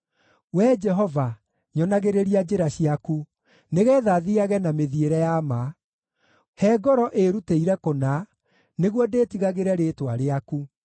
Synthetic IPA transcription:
wɛd͡ʒɛɦɔva | ɲɔnaɣeɾeɾiad͡ʒeɾaɕiaku | neɣɛːðaðiaɣɛnameðieɾɛjama | hɛːɡɔɾɔʔeɾuteiɾɛkona | neɣwɔdeːtiɣaɣeɾɛɾetwaɾeaku

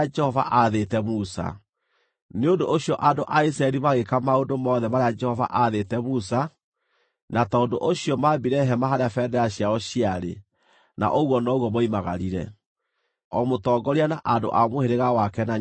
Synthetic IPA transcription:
d͡ʒɛhɔva̰ʔaðetɛmusa̰ | neondoʔoɕjɔʔandoʔais̬ɾaɛɾimaɣekamaondomɔːðɛmaɾead͡ʒɛhɔva̰ʔaðetɛmusa | natɔːndoʔoɕjɔmabiɾɛɦɛmaɦaɾeafɛdɛɾaɕjaɔɕiaɾḛ | na̰ʔoɣwɔnɔɣwɔmɔimaɣa̰ɾiɾɛ̰ | ɔmotɔɡɔɾianaʔando̰ʔamoheɾeɣawakɛna

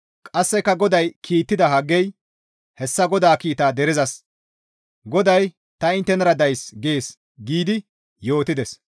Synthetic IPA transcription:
kʼɐsːɛkːɐɡɔd̪ɐjkʰiːt̪ːɪd̪ɐɦɐɡːɛj | hɛsːɐɡɔd̪aːkiːt̪aːd̪ɛɾɪzɐs | ɡɔd̪ɐj | t̪ɐɪnt̪ːɛnɐɾɐd̪ɐjsɡeːs | ɡiːd̪ɪ | jo̞ːt̪ɪd̪ɛs

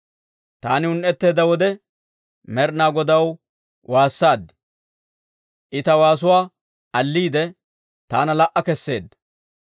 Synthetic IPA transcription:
t̪aːnɪʊnʔɛt̪ːe̞ːd̪ɐwɔd̪ɛ | mɛɾnaːɡɔd̪ɐw | wʔaːsːaːd̪ːɪ̥ | ʔɪt̪ɐwaːs̬ʊwaː | ʔɐlːiːd̪ɛ | t̪aːnɐlɐʔːɐkɛsːe̞ːd̪ːɐ̥

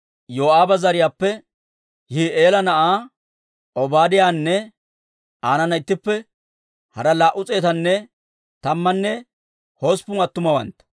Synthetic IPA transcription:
joːaːbɐzɐɾɪjaːpːɛ | hiːʔeːlɐnɐʔaː | ʔɔbaːd̪ɪjaːnːɛ | aːnɐnɐɪt̪ːɪpːɛ | hɐɾɐlaːʔʊt͡sʼe̞ːt̪ɐnːɛ | t̪ɐmːɐnːɛ | hoːspʊmɐt̪ːʊmɐwɐ̰nt̪ɐ̥

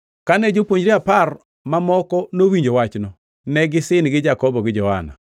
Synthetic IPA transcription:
kanɛd͡ʒopwoɲd͡ʒɾiapar | mamɔkɔnowiɲd͡ʒowat͡ʃnɔ | nɛɡɪsɪnɡɪd͡ʒakɔbɔɡɪd͡ʒɔha̰na̰

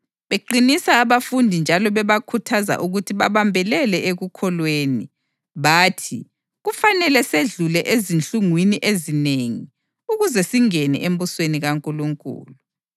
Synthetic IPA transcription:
βeǃinisaːβafundʱind͡ʒʱalɔβɛβakʰutʰaza̰ʔuɣutʰiβaβambʱɛlɛlɛʔeɣukʰɔlweːni | βaːtʰi | ɣufanɛlɛseɮulɛʔezint͡ɬʼuŋwiniʔezineŋi | uɣuzɛsiŋɛnɛ̰ʔembusweniɣaŋkʼuluŋkʼṵːlu

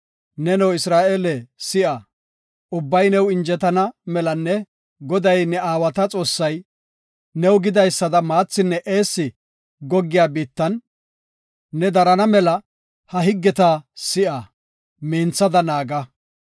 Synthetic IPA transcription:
nɛnɛwɪsɾaːʔeːlɛsɪʔɐ | ʊbːɐjnɛwɪnd͡ʒɛt̪ɐnɐmɛlɐnːɛ | ɡɔd̪ɐjnɛaːwɐt̪ɐt͡sʼo̞ːsːɐj | nɛwɡɪd̪ɐjsːɐd̪ɐmaːt͡sːɪnːɛʔe̞ːsːɪ | ɡɔɡːɪjaːbiːt̪ːɐn | ɛd̪ɐɾɐnɐmɛlɐ | hɐɦɪɡːɛt̪ɐsɪʔa | meːnt͡sːɐd̪ɐnaːɡɐ

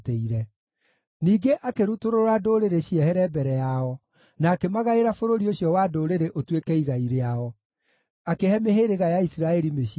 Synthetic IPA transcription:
teiɾɛ | niːɡeʔakeɾutoɾoɾadoɾeɾeɕiɛhɛɾɛbɛɾɛjaɔ | naːkemaɣaeɾafoɾoɾioɕjɔwadoɾeɾeʔotwekɛiɣaiɾeaɔ | akehɛmeheɾeɣajaisiɾaɛɾimeɕi

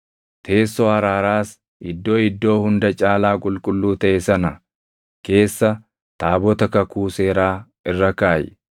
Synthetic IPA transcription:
t̪ʰe̞ːsːɔɐɾaːɾaːs | ɪd̪ːo̞ːɪd̪ːo̞ːhʊnd̪ɐt͡ʃʼaːlaːkʼʊlkʼʊlːuːt̪ɐʔɛsɐnɐ | ke̞ːsːɐ | t̪aːbɔt̪ɐkɐkuːse̞ːɾaː | ɪrːɐkaːjɛ̰

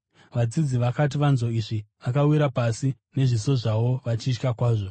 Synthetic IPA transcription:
ʋad͡zid͡ziʋakat̬iʋanzo̞iʐiʋakawiɾapasi | ne̞ʐiso̞ʐaʋo̞ʋat͡ʃit͡ʃkakwaːʐo̞

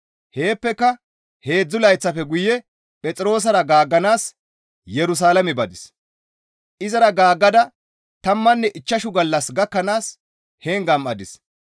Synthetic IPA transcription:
he̞ːpːɛkːɐ | he̞ːd͡zːʊlɐjt͡sːɐfɛɡʊjɛ | pʼɛt͡sʼɪɾo̞ːs̬ɐɾɐɡaːɡːɐnaːs | jɛɾʊs̬aːlɐmɛbɐd̪ɪs | ʔɪzɐɾɐɡaːɡːɐd̪ɐ | t̪ɐmːɐnːɛʔɪt͡ʃːɐʃʊɡɐlːɐsɡɐkːɐnaːs | heːŋɡɐmɐd̪ɪs

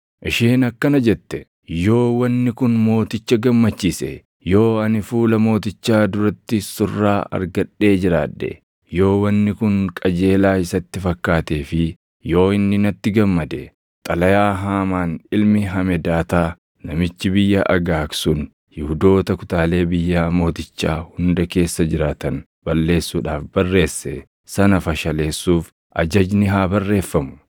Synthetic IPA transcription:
ʔɪʃeːnɐkːɐnɐd͡ʒɛt̪ːɛ | jo̞ːwɐnːɪkʊnmo̞ːt̪ɪt͡ʃːɐɡɐmːɐt͡ʃːiːsɛ̰ | jo̞ːɐnɪfuːlɐmo̞ːt̪ɪt͡ʃːaːd̪ʊɾɐt̪ːɪsʊrːa̰ːɐ̰ɾɡɐᶑːe̞ːd͡ʒɪɾaːᶑːɛ̰ | jo̞ːwɐnːɪkʊŋkʼɐd͡ʒe̞ːlaːɪsɐt̪ːɪfɐkːaːt̪eːfɪ | jo̞ːɪnːɪnɐt̪ːɪɡɐmːɐd̪ɛ̰ | t̪ʼɐlɐjaːɦaːmaːnɪlmɪɦɐmɛd̪aːt̪aː | nɐmɪt͡ʃːɪbɪjːɐʔɐɡaːksʊn | hɪhʊd̪o̞ːt̪ɐkʊ̥t̪aːle̞ːbɪjːaːmo̞ːt̪ɪt͡ʃːaːhʊnd̪ɐke̞ːsːɐd͡ʒɪɾaːt̪ɐn | b̥ɐlːe̞ːsːuːᶑaːfbɐrːe̞ːsːɛ | sɐnɐfɐʃɐle̞ːsːuːf | ʔɐ̰d͡ʒɐd͡ʒnɪɦaːbɐrːe̞ːfːɐmʊ̥

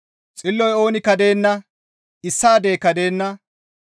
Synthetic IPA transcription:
t͡sʼɪlːɔjo̞ːnɪkɐd̪e̞ːnːɐ | ɪsːaːd̪eːkɐd̪eːnːɐ

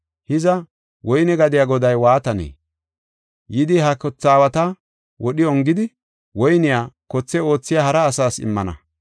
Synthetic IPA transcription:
hɪzɐ | wɔjnɛɡɐd̪ɪjaːɡɔd̪ɐjwaːt̪ɐnḛː | jɪd̪ɪɦɐkɔt͡sːaːwɐt̪ɐ | wɔɗɪɔŋɡɪd̪ɪ | wɔjnɪjaːkɔt͡sːɛo̞ːt͡sːɪjaːhɐɾɐːsaːsɪ̰mːɐnɐ̰

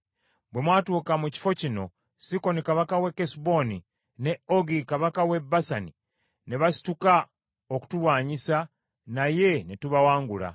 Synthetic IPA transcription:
bwe̞mwaːtuːkamuci̥fo̞cino̞ | siko̞nikaβakawe̞kesbo̞ni | ne̞oɡikaβakawe̞basani | ne̞βasi̥tuka | oku̥tulwaːɲisa | naje̞netuβawaːŋɡula̰

